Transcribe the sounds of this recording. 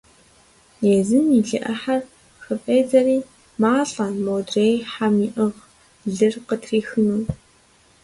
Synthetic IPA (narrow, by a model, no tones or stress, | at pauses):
jeːzɨmiɮɨ̰ʔɐħar | xɨpʼeːzɐriː | maːɬʼɐnmowdreːjħamiːʔɨʁ | ɮɨrqətʰriːxɨnuː